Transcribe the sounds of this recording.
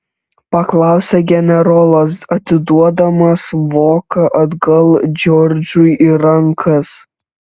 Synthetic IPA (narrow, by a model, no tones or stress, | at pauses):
pɐklˠɑˑʊsʲɛɡʲɛnʲɛɾɔlˠɐsɐt̪ʲɪd̪uɔd̪ɐmɐsʋoːkɐʔɐd̪ɡɐlˠd͡ʒʲɔɾʲd͡ʒʲuiɾɐŋkʰɐs